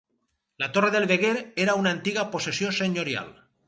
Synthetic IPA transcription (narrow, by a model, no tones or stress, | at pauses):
lat̪oreðelβeɣ̞eɾeɾaunaːnt̪iɣaposesjoseɲoɾja̰l